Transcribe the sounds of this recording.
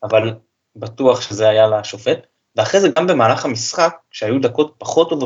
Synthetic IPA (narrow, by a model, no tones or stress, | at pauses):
aval | batuaχʃezeajalaʃofe̞t | veaχʁezeɡambe̞maːlaχhamisχak̚ːʃeajud̪ako̞t̚paχo̞t̪ːov